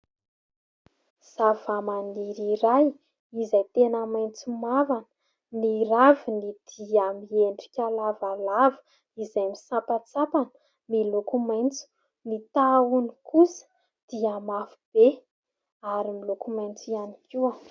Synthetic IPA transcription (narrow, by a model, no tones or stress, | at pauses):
z̥avamaniɾiɾaj | izajt̪enəmajnt͡sumavanə̥ | niɾavinid̪̥iamieɳɖ͡ʐi̥kʲalavalavə̥ | izajmisapat͡sapanə̥ | milokumajnt͡su̥ | nit̪aunikusə̥ | d̪̥iamafu̥b̥e | aɾimilokumajnt͡sianiki